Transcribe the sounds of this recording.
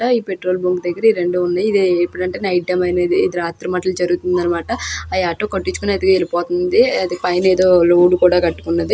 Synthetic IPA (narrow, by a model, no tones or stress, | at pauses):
ɐiːpe̞ʈɾo̞ːlboŋɡd̪ɐɡːɐɾɐiɾe̞ɳɖuunːaːjid̪epːuɽɐɳʈeːnɐjʈːɐmɐjneːd̪iːd̪iɾaːt̪ɾɐmɐʈɐlud͡ʒɐɾuɡut̪und̪ɐnːɐmaːʈɐːjaːʈːoːkɐʈːit͡ʃːu̥konɐd̪iɡelipɔːt̪und̪iɐd̪ipɐjneːd̪o̞ːloːɽukuːɽaːkɐʈːu̥kunːɐd̪i